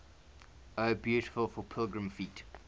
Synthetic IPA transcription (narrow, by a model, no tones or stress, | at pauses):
əʊbjuːˑtɪ̥fəlˠfəpʰɪlˠɡɹə̃mfiˑt